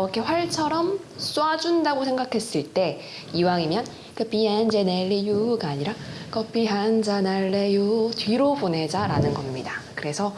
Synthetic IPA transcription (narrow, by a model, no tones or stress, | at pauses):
ʌkʰe̞ɸwaɭt͡ɕʰʌɾʌms͈uad͡ʑundaɡosʰe̞ŋɡakʰe̞s͈ɯɭt͈e̞ | iwaŋimjʌn | kɯpiend͡ʑeneɭːijuɡaaɲiɾakʰʌpʰiɦand͡ʑanaɭːejotɥiɾobone̞d͡ʑaɾa̰nɯnɡʌmɲḭdakɯɾe̞sʰʌ